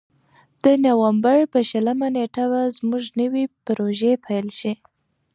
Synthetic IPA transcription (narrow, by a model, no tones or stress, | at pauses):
d̪̥ənawambaɾpəʃəlamaneʈaβazmuʒnəwipɾoʒepʰajlʃi